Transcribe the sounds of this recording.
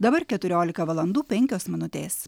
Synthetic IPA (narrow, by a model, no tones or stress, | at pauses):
d̪ɐbɐɾkʲɛt̪ʊɾʲoːlʲɪkɐʋɐlˠɐnd̪uːpʲɛŋʲkʲoːsmʲɪnʊt̪ʲeːs